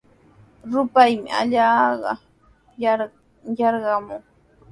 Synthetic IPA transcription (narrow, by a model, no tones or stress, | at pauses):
ɾʊpajmɪ̰a̰ʎaːɢɑ̰ | jɑɾɢɑmʊŋ